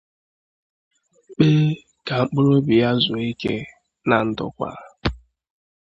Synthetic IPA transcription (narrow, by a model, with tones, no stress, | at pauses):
k͡pe˦ | ka˨ŋ͡m̩˦k͡pʊ˦ɾo˦bi˨ja˦zʊ˨i˦kḛ˦ | na˨n̩˦dʊ̰˦kʷa̰˦